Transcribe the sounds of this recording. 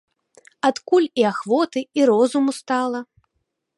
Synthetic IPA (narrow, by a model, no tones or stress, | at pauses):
at̪kulʲiaxvɔt̪ɨiɾɔzumust̪alˠɐ